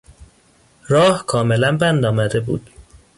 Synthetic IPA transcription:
ɾɒːhkʰɒːme̞lænbænd̪ɒːmæd̪e̞bṵːd̪̥

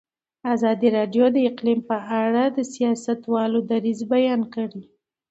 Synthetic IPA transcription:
azɑd̪iɾɑɖjod̪əɪqlimpəʔaɽad̪əsijɑsat̪wɑlod̪aɾizbajɑnkəɽi

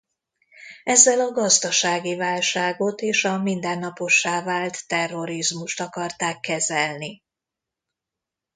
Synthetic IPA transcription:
ɛzːɛlɒɡɒzd̪ɒʃaːɡivaːlʃaːɡo̞t̪eːʃɒmind̪ɛnːɒpo̞ʃːaːvaːlt̪ːɛrːo̞ɾizmuʃt̪ɒkɒrt̪aːkːɛzɛlni

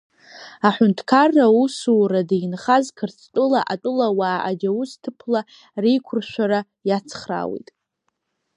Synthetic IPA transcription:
aħʷʊntʰkʰarːausuradijnχazkʰɨrt͡sʰtʼʊlaʔatʼʊlawaːʔad͡ʒawustʰɨpʰla | rejkʷʰʊrʃᶣʷaɾa | jat͡sʰχra̰wḭtʼ

